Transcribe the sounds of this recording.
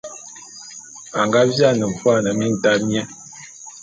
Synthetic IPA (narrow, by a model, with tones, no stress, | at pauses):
a˨ŋɡa˦vja˦nə˨fwa˦˨nə˨mi˦n̩˨ta˦mjɛ˦